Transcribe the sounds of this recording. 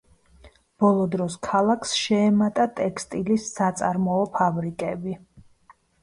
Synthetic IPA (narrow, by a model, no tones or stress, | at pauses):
b̥ɔlˠɔd̪ɾɔskʰalˠakʰsʃɛːmat̪ʼat̪ʼɛkʰst̪ʼilisːat̪sʼaɾmɔɔpʰabɾikʼɛbi